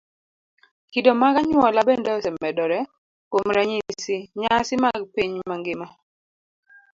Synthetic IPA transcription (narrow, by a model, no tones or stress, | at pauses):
kidɔmaɡaɲwɔlabendɔsɛmɛdɔɾɛ | komɾaɲisɪɲasɪmaɡpiɲmaŋɡɪma